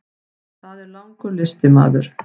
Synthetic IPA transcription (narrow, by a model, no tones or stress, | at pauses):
θaðɛɾlawŋkʏlɪst̪ɪma̰ːðʏɾ̥